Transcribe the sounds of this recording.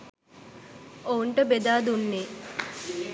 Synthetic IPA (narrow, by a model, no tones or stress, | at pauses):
ouɳʈəbed̪aːd̪unːeː